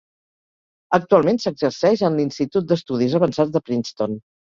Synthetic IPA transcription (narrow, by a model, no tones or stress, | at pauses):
ək̚t̪ualˠmensəɡzəɾsɛʃənlinst̪it̪ut̪̚d̪əst̪uðizəβənsad͡zd̪əpɾinst̪on